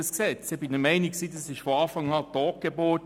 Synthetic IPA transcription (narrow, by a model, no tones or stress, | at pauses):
əsksɛt͡shɛbɪnəmɛɪniksiːdɑsɪʃfoɑːfɑŋɑːtɔːk̚ɡ̥eboːt